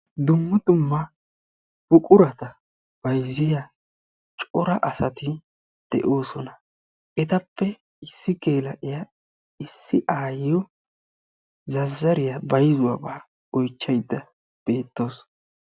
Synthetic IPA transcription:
d̪ʊmːʊd̪ʊmːɐ | bʊkʼʊɾɐt̪ɐ | b̥ɐjzɪja | t͡ʃʼɔɾɐʔɐsɐt̪ɪ | d̪̥ɛʔo̞ːsɔnɐ | ʔɛt̪ɐpːɛ | ɪsːɪke̞ːlɐʔɪjɐ | ɪsːɪʔaːjːɔ | zɐzːɐɾɪjɐbɐjzʊwabaː | ɔjt͡ʃːɐjd̪ːɐ | b̥e̞ːt̪ːo̞ːs

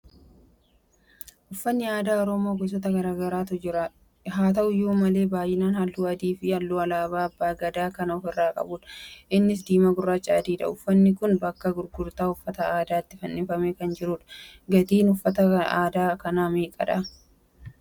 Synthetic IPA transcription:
ʔʊfːɐnːɪaːd̪aːɔɾɔːmoːɡɔs̬ɔt̪ɐɡɐɾaːɡɐɾaːt̪ɔd͡ʒɪɾɐ | ɦaːt̪ɐʔʊjoːmɐle̞ːbaːjːɪnaːnhɐlːuːɐd̪iːfɪhɐlːuːɐlaːbaːɐbːaːɡɐd̪aːkɐnɐɔfɪrːaːkʼɐ̰buːᶑɐ̥ʔɪnːɪs̬d̪iːmɐɡʊrːaːt͡ʃʼaːd̪iːᶑɐ̰ʊfːɐnːɪkʊnbɐkːɐɡʊɾɡʊɾt̪aːʊfːɐt̪ɐaːd̪aːt̪ːɪfɐnːɪfɐmeːkɐnd͡ʒɪɾuːᶑɐ̥ɡɐd̪iːnʊfːɐt̪ɐaːd̪aːkɐnaːmiːkʼɐ̰ᶑa

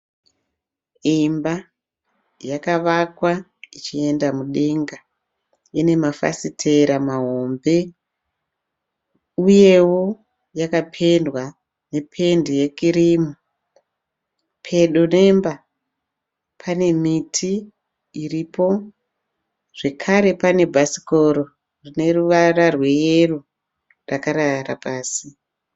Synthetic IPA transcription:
imba | jakaʋakwa | it͡ʃie̞ndamuɗe̞ŋɡa | ine̞mafa̰sitʰe̞ɾamaɦo̞mbe̞ | uje̞wo̞ | jakapʰe̞ndwa | ne̞pʰe̞ndije̞kiɾimu | pʰe̞ɗo̞ne̞mba | pʰane̞mitʰiː | riːpo̞ | ʐ̥e̞kʰaɾe̞pane̞bʱasi̥ko̞ɾo̞ | rine̞ruʋararwe̞jeru | rakaɾara̰paːsi

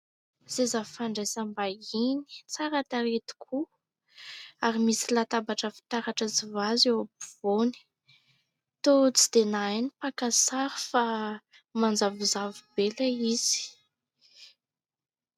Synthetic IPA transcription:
z̥ezavufaɳɖ͡ʐesambaini̥t͡saɾat̪aɾet̪i̥kʰu | aɾimisilat̪abaʈ͡ʂəfi̥t̪aɾaʈ͡ʂəzivazewabuv̥oni̥ | t̪ot͡sid̪̥enajnipakasaɾifa | mand͡zavizavubelaiz̥i̥

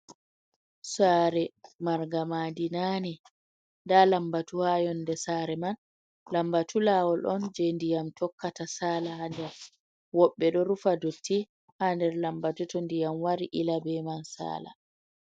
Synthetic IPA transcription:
saːɾɛmaɾɡamadinani | ndalambatuhajɔndɛsaɾɛman | lambatʰulawɔlʔɔnd͡ʒɛndijamtʰɔkːatasaːlahandɛɾ | wɔɓːɛɗɔɾufadotʰːi | handɛɾlambatutɔndijamwaɾiʔilabɛmansa̰ːla̰

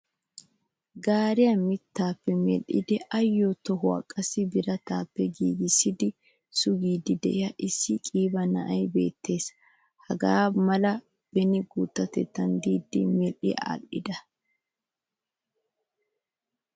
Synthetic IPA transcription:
ɡaːɾɪjɐmɪt̪ːaːpːɛmɛ̰lʔɪ̰d̪ɛʔɐjːot̪ɔɦʊɐ̰kʼːɐsɪbɪɾɐt̪aːpːɛɡiːɡɪsːɪd̪ɪ | sʊɡiːd̪ɪd̪ɛʔɪjɐʔɪsːɪkʼiːbɐnɐ̰ʔɐjbe̞̰ːt̪ʰːe̞ːs | hɐɡaːmɐlɐ | b̥ɛnɪɡut̪ːɐt̪ɛ̰t̪ːɐnd̪iːd̪ːɪmɛlʔɪ̰a̰ːlʔɪd̪ɐ

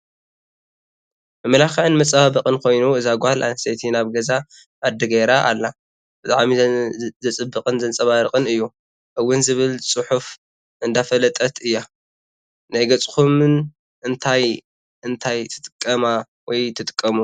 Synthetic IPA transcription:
mɨmɐlaxʕɨnmɐt͡sʼβaβɐqʼɨnkʰo̞jnuɨzaɡʷhalʔa̰set̪ʰinaβɡɐza | ʔːd̪ɨɡeɾaʔa̰lːa | b̥ɨt̪ʼa̰ʕmizɨt͡sʼɨbːɨqʼɨnzɐnt͡sʼɐβaɾɨqʼɨnɨjːu | ʔɨwːʊnzɨβɨlsʼɨħuf | ʔɨnd̪afɐlɐt̪ʼɐt̪ʰɨjːa | najɡɐt͡sʼkumɨn | ʔɨnt̪ʰaj | ɨnt̪ʰajt̪ʰɨ̥t̪ʼɨkʼːɐma | wɔjt̪ʰɨt̪ʼɨ̥kʼːɐmu

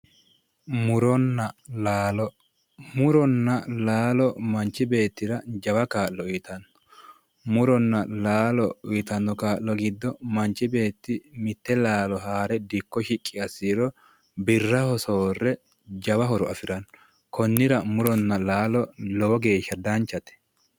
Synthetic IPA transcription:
mʊɾɔnːɐlaːlɔ | mʊɾɔnːɐlaːlɔmɐnt͡ʃːɪbe̞ːt̪ːɪɾɐd͡ʒɐwɐkaːʔːɔʊjt̪ɐnːɔ̥ | mʊɾɔnːɐlaːlɔʊt̪ɐnːɔkaːʔlɔɡɪd̪ːɔmɐnt͡ʃːɪbe̞ːt̪ːɪmɪt̪ːɛlaːlɔɦaːɾɛd̪ɪkːɔʃɪkʼːɪɐsːiːɾɔ | bɪrːɐhɔsoːrːɛ | d͡ʒɐwɐɦɔɾɔɐfɪɾɐnːɔ | kɔnːɪɾɐmʊɾɔnːɐlaːlɔlowɔɡe̞ːʃːɐd̪ɐnt͡ʃːɐt̪ɛ̥

